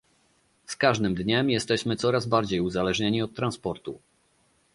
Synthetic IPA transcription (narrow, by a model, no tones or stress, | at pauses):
skaʐd̪ɘmd̪ɲɛmjɛst̪ɛɕmɘt̪sɔɾazbaɾd͡ʑejuzalɛʐɲɛɲiɔt̪ːɾanspɔɾt̪ṵ